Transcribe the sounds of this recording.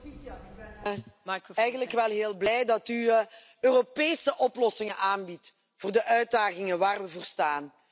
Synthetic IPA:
ɛjɣənləkʋɛlˠɦeːlˠblɛjdɑty | øːropeːsəʔɔplɔsɪŋənʔaːnbit | v̥oːrdəʔœɥd̚daːɣɪŋəʋaːrʋəvoːrstaːn

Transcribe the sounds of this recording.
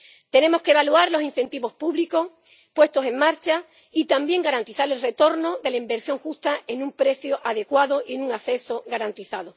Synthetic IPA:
t̪e̞ne̞mo̞skeβaluaɾlo̞sin̟θe̞nt̪iβo̞spuβliko̞h | pwe̞st̪o̞se̞ŋmaɾt͡ʃa | it̪ambje̞ŋɡaɾant̪iθaɾe̞lre̞t̪o̞ɾno̞ðe̞laimbe̞ɾsjo̞ŋxust̪aʔe̞nũmpɾe̞θjoʔaðe̞kwaðoʔie̞nũŋaθe̞so̞ɣaɾant̪iθaðo

